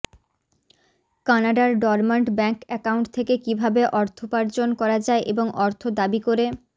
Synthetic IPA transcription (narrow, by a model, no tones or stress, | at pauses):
kanaɖaɾɖɔɾmeɳʈbɛŋkɛkawuɳʈt̪ʰekekibʱabeʔɔɾt̪ʰopaɾd͡ʑonkɔɾad͡ʑaeʔeboŋʔɔɾt̪ʰod̪abikoɾe